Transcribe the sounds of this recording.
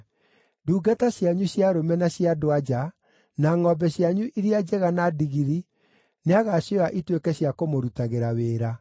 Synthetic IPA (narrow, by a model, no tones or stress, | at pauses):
duːɡataɕjaɲuɕjaɾomɛnaɕjadoad͡ʒa | naŋɔbɛɕjaɲuʔiɾiad͡ʒɛɣanadiɣiɾi | neaɣaɕoaʔitwekɛɕjakomoɾutaɣeɾaweːɾa